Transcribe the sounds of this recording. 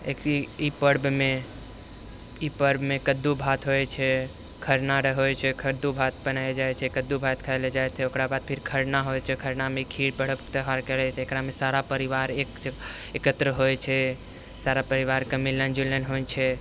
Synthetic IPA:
ekipəɾbme | ipəɾbmekəd̪ːubʱat̪ɦojt͡ʃʰɛ | kʰəɾnaɾəɦojt͡ʃʰɛkʰəɾd̪ubʱat̪̚bənaed͡ʒajt͡ʃʰɛkəd̪ːubʱat̪kʰajled͡ʒajt̪ʰɛokɾabad̪̚pʰiɾkʰəɾnaɦojt͡ʃʰɛkʰəɾnameikʰiɽpəɽ̤əbt̪əɦaɾkeɽɛt͡ʃʰɛekɾamesaɾapəɾiʋaɾek | ekət̪ɾəɦojt͡ʃʰɛ | saɾapəɾiʋaɾkəmilənd͡ʒulənɦojt͡ʃʰɛ

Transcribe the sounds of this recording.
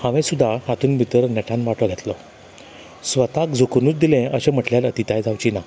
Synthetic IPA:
hãʋẽsud̪ʱːahat̪ʰuːnbʱit̪əɾnɛʈʰãnʋaʈʰɔɡʱet̪lɔ | sʋət̪akd͡zokənuːt͡sd̪ilẽəɕem̤əʈljalət̪it̪ajd͡zʱawt͡ɕina

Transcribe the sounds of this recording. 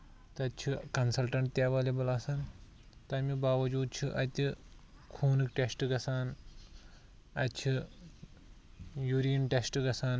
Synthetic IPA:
t̪ɐt͡ʃʰɨkɐnsɐlʈɐɳʈt̪jaːʋɐːlebɐlasaːn | t̪ɐmibaːʋɐd͡ʒuːd̪̚t͡ʃʰɨʔɐt̪ʲikʰuːnɨkʈesʈɨɡɐsaːn | ɐtt͡ʃʰi | juːɾiːnʈesʈɨɡɐsaːn

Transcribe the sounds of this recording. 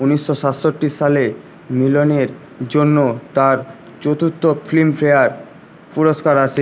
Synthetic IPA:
uniʃːoʃat̪ʃoʈːiʃale | miloneɾ | d͡ʑonːot̪aɾ | t͡ɕot̪ut̪ːoflimfɾeaɾ | puɾoʃkaɾat͡ɕʰe

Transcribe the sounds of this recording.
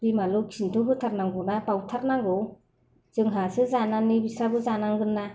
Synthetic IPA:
bimalɯkʰintʰoɦɯtʰaɾnaŋɡɔwnapawtʰaɾnaŋɡɔw | zɯŋɦasɯzananibisabɯzanaŋɡɯnːa

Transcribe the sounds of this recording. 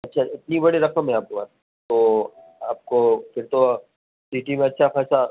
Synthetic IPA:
ɐtːʃʰaɪt̪nibɐɽiɾɐkəmẽaːp̚koa̰t̪ | t̪oː | aːp̚kofɪɾt̪o | siːʈimẽɐtːʃʰaxɛːsla

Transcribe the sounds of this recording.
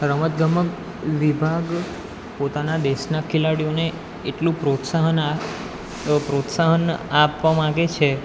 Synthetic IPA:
ɾəmət̪̚ɡʱəmək | ʋibʱaɡ | pot̪anad̪eʃnakʰilaɽijoneː | ʈlũpɾot̪saɦəna | pɾot̪saɦənapʋamãɡet͡ʃʰe

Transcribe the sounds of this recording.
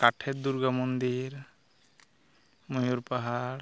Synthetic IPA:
kaʈʰɛt̪̚d̪uɾɡamond̪iɾ | mujuɾpaɦaɽ

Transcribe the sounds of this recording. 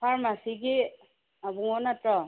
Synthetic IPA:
pʰaɹmasiɡi | abuŋɔnatɹɔ

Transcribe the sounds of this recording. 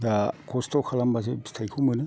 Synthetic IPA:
dakʰɔstʰɔkʰalambas̬ebstʰajkʰumɯnɯ

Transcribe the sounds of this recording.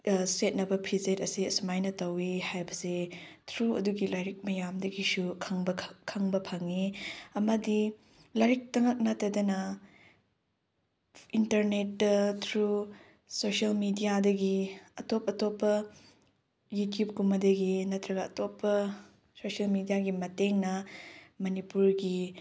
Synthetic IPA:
set̚nɐbɐpʰizetɐsiɐsumajnɐtɐwihajbɐse | tʰɾuɐ̰duɡilajɾik̚mɐjamdɐɡisukʰŋbɐkʰɐŋbɐpʰɐŋiɐmɐdi | lajɾik̚tɐŋɐk̚nɐtɐdɐnɐ | intɐɾnet̚ːɐtʰɾu | sosɐlmidijadɐɡiɐtopɐtopːɐ | jutjup̚kumɐdɐɡinɐtɾɐɡɐɐ̰topːɐ | sosɐlmidijaɡimɐteŋnɐmɐnipuɾɡi

